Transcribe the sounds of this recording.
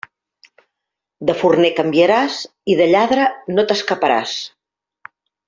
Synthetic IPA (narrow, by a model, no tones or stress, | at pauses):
d̪əfurnekəmbjəɾaz | iðəʎaðɾənot̪əskəpəɾa̰s